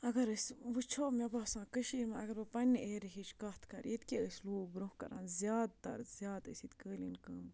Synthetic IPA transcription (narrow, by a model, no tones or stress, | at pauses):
ɐɡɐɾəsʲʋut͡ʃʰoːmebaːsãːkəʃiːɾmãɐɡɐɾbɐpɐnʲːʔeːɾiɦit͡ʃʰkɐt̪ʰkɐɾjet̪kʲeəsʲluːbɾũhkɐ̰ɾã̰ːnzʲjaːd̪t̪ɐ̰ɾzʲjaːd̪ɨ̰sʲit̪kəːlḭnkɐːm